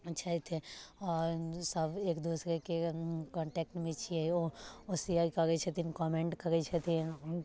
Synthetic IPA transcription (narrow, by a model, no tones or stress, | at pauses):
t͡ʃʰait̪ʰeɔːɾsɐbeːkd̪uːsɾekekɔ̃ːɳʈɛːk̚ʈmẽt͡ʃʰieoosiaikɐɾet͡ʃʰet̪inkɔːmẽɳʈkɐɾet͡ʃʰet̪ʰi